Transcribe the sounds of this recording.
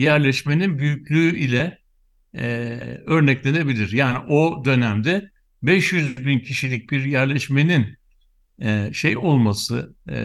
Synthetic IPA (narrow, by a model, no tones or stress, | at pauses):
jæɾlʲɛʃme̞ninbyjycʲlʲyːilʲɛ | ø̞ɾnɛclʲe̞ne̞bilʲiɾjaːniʔod̪ø̞næmd̪ɛ | bɛʃjyzbincʰiʃilʲic̚biɾjæɾlʲɛʃme̞nin | ʃejo̞lˠmasɯ